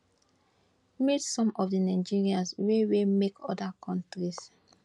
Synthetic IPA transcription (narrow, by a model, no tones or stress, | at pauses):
mitsɔ̃mɔfdinaɪd͡ʒiɹiãnswewemekʰɔdakʰɔ̃ntɾis